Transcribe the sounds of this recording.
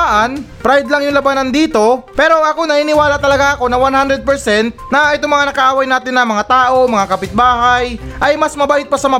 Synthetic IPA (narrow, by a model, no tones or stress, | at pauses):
aʔanpɾajd̪lɐŋjʊŋlɐbanɐnd̪iːt̪o̞pɛːɾo̞ʔɐko̞nɐhiːnɪwaːlɐt̪ɐlɐɡaʔɐko̞nɐwanhand̪ɾɛd̪̚pɛɹsɛnt̪̚nɐʔɛt̪oŋmɐŋanɐkɐʔaːwɐjnaːt̪ɪnːɐŋmɐŋat̪aːʔo̞mɐŋakɐpɪt̪̚baːɦajʔɐjmɐsmɐbaːʔɪt̪̚pɐsɐmɐ